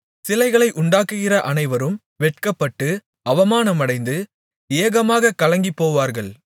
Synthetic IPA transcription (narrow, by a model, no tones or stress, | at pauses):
sɪlɐɪɣɐɭɐɪʔʊɳɖaːkːɯɣɪrɐʔɐnɐɪʋɐɾɯm | ʋɛʈ̚kɐpːɐʈːɯ | ɐʋɐmaːnɐmɐɽɐɪnd̪ɯ | eːɐɣɐmaːɣɐkɐlɐŋɡipːoːʋaːɾɣɐɭ